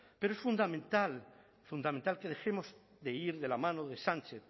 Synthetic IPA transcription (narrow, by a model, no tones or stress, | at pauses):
pe̞ɾoesfund̪amẽnt̪al | fund̪amẽnt̪alke̞ð̞e̞xe̞moz | ðeiɾðe̞lamãnoðe̞sãnt͡ʃeθ